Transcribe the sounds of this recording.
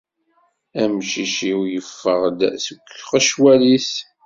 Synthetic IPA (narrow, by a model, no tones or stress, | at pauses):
æmʃiʃiwjəfːəʁd̪səkʷːʁæʃwæliθ